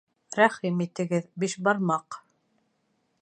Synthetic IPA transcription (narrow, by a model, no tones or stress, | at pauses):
ɾæχimit̪ɘ̆ɡɘðbiʃbɑɾmɑq